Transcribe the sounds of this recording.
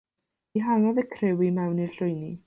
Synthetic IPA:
iɦaŋɔðəkʰrɪwimɛwnirɬʊjni

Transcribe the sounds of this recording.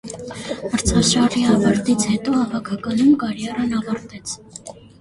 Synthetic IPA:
məɾt͡sʰɑsɑriɑvɑɾt̪it͡sʰhɛt̪ɔhɑvɑkʰɑkɑnumkɑɾjɑɾɑnɑvɑɾt̪ɛt͡sʰ

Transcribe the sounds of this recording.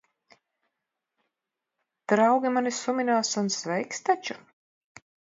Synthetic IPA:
d̪̥ɾawɡʲimanisumʲinaːsunsvɛjkst̪at͡ʃu

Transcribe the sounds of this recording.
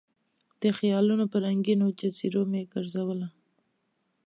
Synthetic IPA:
d̪̥əxjɑlunopəɾaŋɡinot͡ʃat͡siɾomeɡəɾzawəla

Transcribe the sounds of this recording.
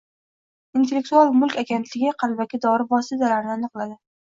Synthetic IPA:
int̪ʰe̞lːek̚t̪ualˠmʊlˠkʲaɡʲent̪ʰlɪɡʲɪqʰɑlbakʲɪd̪ɒɾɪvɒsɪt̪ʰalaɾnɪanɨqlˠad̪ɪ

